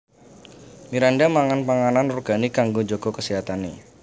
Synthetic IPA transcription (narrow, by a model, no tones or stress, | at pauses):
miɾandamaŋanpaŋananruɡ̥anikaŋɡod͡ʒoɡ̥okəsiɦat̪ane